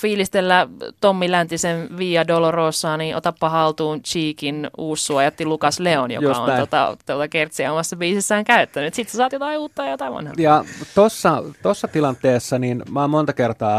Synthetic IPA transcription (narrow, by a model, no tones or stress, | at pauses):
fiːlist̪elːæt̪omːilænt̪isenʋiːɑdoloroːsːɑːniːnʔo̰t̪ɑppɑhɑlt̪uːnt͡ʃiːkinuːsːuɑjɑt̪ːilukɑsleonjo̰jkɑ̰o̰not̪ɑ̰t̪ot̪ɑkert̪siæomɑsːɑbiːsesːæːŋkæyt̪ːænyt̪sit̪sesɑːt̪jot̪ɑiuːt̪ːɑjɑjot̪ɑiʋɑ̰nhɑ̰jɑt̪osːɑt̪osːɑt̪ilɑnt̪eːsːɑninmɑːmmont̪ɑkert̪ɑː